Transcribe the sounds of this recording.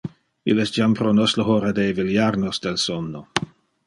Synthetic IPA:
ḭlɛstd͡ʒampɾonosləɦoɾadeviljaɾnosd̥elsonːo

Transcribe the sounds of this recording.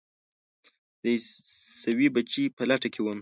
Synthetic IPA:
d̪̥əsawibat͡ʃipəlaʈakʰewəm

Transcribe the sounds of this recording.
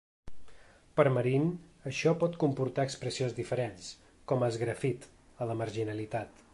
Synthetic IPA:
pəɾməɾinəʃɔpɔt̪kumpuɾt̪aəkspɾəsionzðifəɾens | kɔməzɣɾəfit̪ | ələməɾʒinəlit̪at̪

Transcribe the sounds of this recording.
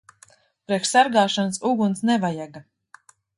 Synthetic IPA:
pɾɛkʃsaɾɡaːʃansuɡunsnɛvajaɡa

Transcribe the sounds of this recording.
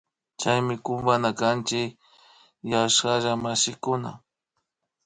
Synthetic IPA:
t͡ʃajmɪkʊmbanakant͡ʃɪk | jaʃkaʒamaʃɪkʊna̰

